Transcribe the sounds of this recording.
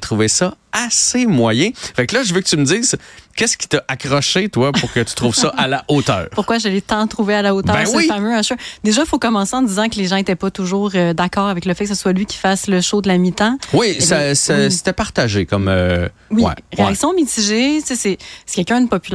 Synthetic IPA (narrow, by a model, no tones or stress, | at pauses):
t̪ʁuvesʌasemwajɛ̃fɛklʌʒəvøkət̪yməd̪iːz̥kʲɛskʲi̥t̪ʌʔakʁɔʃet̪wapuʁkʲət̪y̥t̪ʁuːv̥sʌʔalaʔot̪œ̰ːʁpʊʁkwaʒalɛt̪ɑ̃t̪χuvealaot̪œːɛ̃swifamøaʃød̪eʒʌfokɔmɑ̃seɑ̃d̪izɑ̃kəleʒɑ̃et̪ɛpɔt̪uʒuːʁød̪akɑːʁavɛkləfɛkə̥səswalɥikʲi̥fasləʃod̪əlamit̪ɑ̃wisasɛse̥t̪ɛpaʁt̪aʒekɔmø̰ | wiɛ̰ʁeaksjɔ̃mit̪iʒesesɛse̥kʲɛlkʲœ̃d̪əpɔpyl